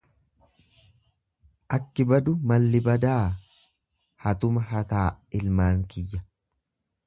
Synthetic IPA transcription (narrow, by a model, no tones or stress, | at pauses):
ʔɐkːɪbɐd̪ʊmɐlːɪbɐd̪aː | hɐt̪ʊmɐɦɐt̪aː | ɪlmaːŋkɪjːɐ